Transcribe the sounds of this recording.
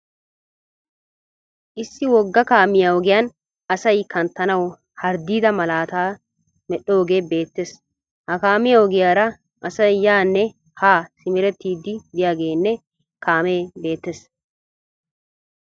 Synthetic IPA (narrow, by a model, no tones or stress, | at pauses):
ʔɪsːɪwɔɡːɐkaːmɪjaɔɡɪjaːn | ɐsɐjkɐnt̪ːɐnɐw | hɐɾd̪iːd̪ɐmɐlaːt̪aː | mɛɗːoːɡeːbe̞ːt̪ːes | hɐkaːmɪjɐɔɡɪjaːɾɐ | ʔɐsɐjjaːnːɛ | haːsɪmɪɾɛt̪ːiːd̪ːɪd̪ɪjaːɡe̞ːnːɛ | kaːmeːbe̞ːt̪ːes